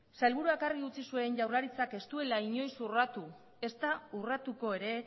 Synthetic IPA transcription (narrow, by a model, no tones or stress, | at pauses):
sajlβuɾuakariut͡sisue̞nʝawrlaɾit͡sake̞st̪ue̞laiɲo̞jsurat̪u | e̞st̪aurat̪uko̞e̞ɾe̞